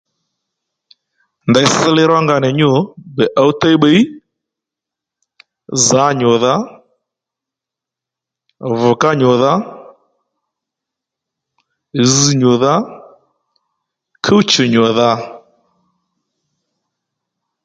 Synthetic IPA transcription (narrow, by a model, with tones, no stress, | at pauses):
nda˨i˦sɪ˦lɪ˦ɾwa˦ŋɡa˨nɛ˨ɲo˨bɛ˨ʔa˦u˦ta˦i˦ɓe˨˦i˦ | za˨˦ɲɔ˨ða˦ | vʊ˨ka˦ɲɔ˨ða˦ | zi˨ɲo˨ða˦ | kʰə˦t͡ʃɪ˨ɲɔ˨ða˦